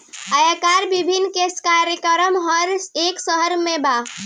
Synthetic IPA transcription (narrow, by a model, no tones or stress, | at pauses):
ajakaɾbibʱinːkeskaɾjəkɾəmɦəɾeksəɦəɾmeba